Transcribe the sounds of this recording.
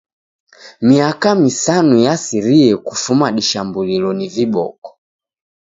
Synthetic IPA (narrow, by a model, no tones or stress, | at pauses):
miakamisanujasiɾiɛkufumaɗiʃambulilɔniviɓɔ̰kɔ̥